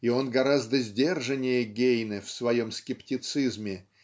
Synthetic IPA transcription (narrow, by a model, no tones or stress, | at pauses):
ɪo̞nɡɐɾazd̪əzʲdʲe̞rʐɨnʲɪjəɡʲejnɨfsvɐjo̞mskʲɪptʲɪt̪sɨzmʲɪ